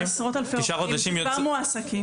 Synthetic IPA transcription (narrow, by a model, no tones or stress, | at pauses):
sʁot̪alfeiʃaχod̪aʃimjoamuaːsaki